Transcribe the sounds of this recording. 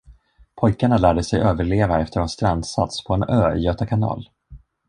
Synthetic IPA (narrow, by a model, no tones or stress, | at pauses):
pʰɔjkaɳalæːɖəsɛjʔøːvəɭeːvaɛft̪ʰəɾhast̪ɾand̪sa̰t̪spʰɔɛnøːjøːt̪akʰanɑ̰ːl